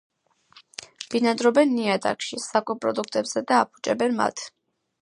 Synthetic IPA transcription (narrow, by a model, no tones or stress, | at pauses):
b̥inad̪ɾɔbɛnːiat̪ʼa̰kʃisakʼɔpʼɾɔd̪ukʰt̪ʼɛbz̥ɛd̪aːpʰu̥t͡ʃʼɛbɛnma̰t̪ʰ